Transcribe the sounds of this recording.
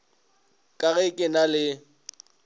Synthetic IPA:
kʼaɣɛkʼɪnalɪ

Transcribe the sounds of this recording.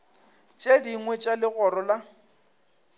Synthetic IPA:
t͡ʃʼediŋwet͡ʃʼalɪɣɔɾɔla

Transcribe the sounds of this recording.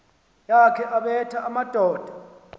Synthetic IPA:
jakʰɛʔaɓɛtʰaʔamad̥ʱɔːd̥ʱḁ

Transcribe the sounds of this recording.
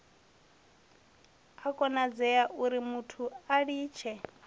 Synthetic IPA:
akʼɔnad͡zɛjaʔuɾimutʰuaɺiːt͡ʃʰɛ

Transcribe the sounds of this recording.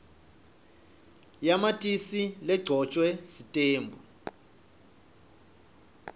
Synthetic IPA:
jamatʼisilɛɡ͡ǀʱɔt͡ʃʼwɛsitʼeːmbʱu

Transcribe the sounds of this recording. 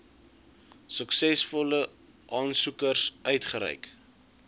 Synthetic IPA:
səksɛsfɔlə | ʔɑːnsukərsœɥtχəɾɛ̰jk

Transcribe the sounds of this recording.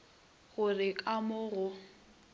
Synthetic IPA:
ɣʊrɪkʼamʊɣʊ

